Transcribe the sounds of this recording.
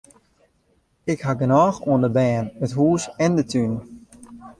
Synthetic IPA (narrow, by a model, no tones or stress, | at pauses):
ɪkɦaɡənɔːxuəndəbɛːnətɦuːsɛndətʰyn